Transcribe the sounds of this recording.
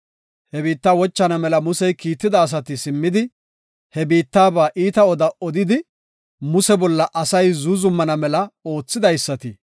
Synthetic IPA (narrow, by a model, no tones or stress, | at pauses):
hɛbiːt̪ːaːwɔt͡ʃːɐnɐmɛlɐmʊsɛjkiːt̪ːɪd̪ɐːs̬ɐt̪ɪsɪmːɪd̪ɪ | hɛbiːt̪ːaːbaːʔiːt̪ɐɔd̪ɐɔd̪ɪd̪ɪ | mʊsɛbɔlːɐʔɐsɐjzuzʊmːɐnɐmɛlɐo̞ːt͡sːɪd̪ɐjsːɐt̪ɪ